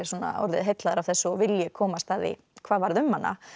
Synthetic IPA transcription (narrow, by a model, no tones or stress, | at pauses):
ɪsuɔna̰ɔ̰ɾðɪ̰ðɦejt̪laðʏɾavθɛsːʏɔvɪljɛkʰɔːmast̪aðḭ | kʰvaːðvaɾðʏmhanːa̰